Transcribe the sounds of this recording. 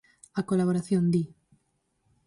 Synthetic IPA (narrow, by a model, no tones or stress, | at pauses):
akolaβoɾaθjond̪i